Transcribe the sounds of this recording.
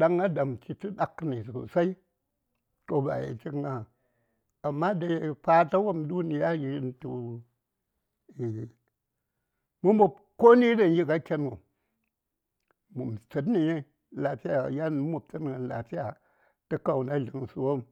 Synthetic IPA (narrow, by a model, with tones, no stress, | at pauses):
ɗa˦ŋɡa˦da˨mti˦ti˦ɗa˨kːni˨su˨sa˦i˦ | to˦ba̰˨jḛ˨t͡ʃi˦kŋɡa˦ | a˨mːa˦da˨˦pa˦ta˦wo˦mdu˦ni˨ja˦ji˦i˦ntu˨ | i˨ | mu˦mo˨ | ko˦ni˦da˨n˦ji˦ɡa˦kʲe˦no˨ | mu˨mt͡si˨tni˨je˦ | la˨ti˦ja˦˨ja˦n˦mu˨p̚t͡sɨ˦tn˨ŋa˨nla̰˨ti˦ja˨ | ti˦ka˨wna˦ɮi˨ŋ˨su˨wo˦m